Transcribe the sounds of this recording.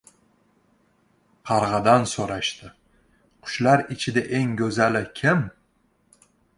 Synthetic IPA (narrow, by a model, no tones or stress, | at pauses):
qʰɑɾʁɑd̪ansoɾaʃt̪ɪ | qʰʊ̥ʃlaɾɪt͡ʃʰɪd̪aʔe̞ŋɡʲɵzalɪkʲʰɪm